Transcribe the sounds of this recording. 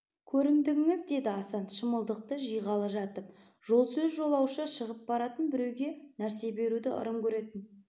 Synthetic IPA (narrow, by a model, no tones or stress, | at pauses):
kʲʰɵɾɪŋd̪ɪɡɪŋɪzd̪e̞d̪ɪɑsɑnʃəməlˠd̪əq̚t̪əʒijʁɑlˠəʒɑt̪əp̚ | ʒ̥o̞lˠsɵzʒo̞lˠɑwʃəʃəʁəp̚bɑɾɑt̪ənbɪɾe̞wɡʲe̞næɾse̞be̞ɾud̪ɪʔə̰ɾəmkʲʰɵɾe̞t̪ɪn